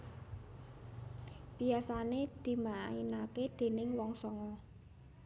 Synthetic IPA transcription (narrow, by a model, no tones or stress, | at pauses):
b̥iasaned̪̥i̤mainaked̪̥e̤nɪŋwɔŋsɔŋɔ